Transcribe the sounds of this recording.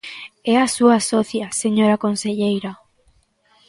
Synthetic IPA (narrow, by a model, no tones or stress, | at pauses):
ɛasuasɔθjaseɲoɾakonseʎejɾɐ